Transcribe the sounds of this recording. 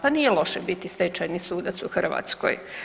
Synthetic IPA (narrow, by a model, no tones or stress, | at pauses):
panijelˠo̞ʃebit̪ist̪et͡ʃajnisuːd̪at̪suxr̩ʋa̰t̪sko̰j